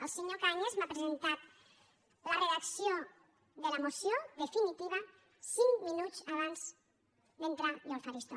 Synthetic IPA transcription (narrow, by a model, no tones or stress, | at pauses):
elseɲokaɲezmapɾezent̪at̪̚ | lareðaksjo | ðelamosjoðefinit̪iβ̞a | siŋminut͡saβ̞anz̥ | d̪ent̪ɾad̪alfaɾist̪o